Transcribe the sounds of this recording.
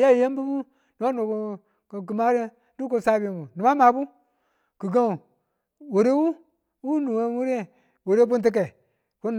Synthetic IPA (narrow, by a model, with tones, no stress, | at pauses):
ja˦˨je˦m˦bu˦bu˦ | nu˨ma˦no˨ko˨ | kk̬i˨ma˦ɾe˦ | du˦k̬o˦˨sa˦bi˨mu˨nu˨ma˦ma˨bu˦ | ki˨ɡa˦˨ | wo˨ɾe˦wu˦ | wu˦nu˨we˦wu˦ɾe˦˨ | wo˨ɾe˦bu˦nt̬i˦k̬e˨ | ko˦n